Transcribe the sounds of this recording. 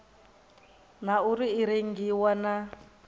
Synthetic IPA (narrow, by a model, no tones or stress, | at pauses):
nauɾiːɾeŋ̩ɡiwana